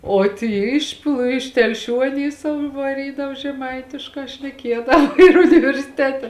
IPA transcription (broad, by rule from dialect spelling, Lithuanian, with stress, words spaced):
oː ˈtʲiː ɪʃ plˠ ɪʃ tʲɛlʲˈʃʲuː ɐˈnʲiː ˈsɐʊ ɪ ʋɐˈrʲiːdɐw ʒʲɛˈmɐɪtʲɪʃkɑː ʃʲnʲɛˈkʲiɛdɐʋɐ ɪr ʊnʲɪʋʲɛrʲsʲɪˈtʲæːtʲɛ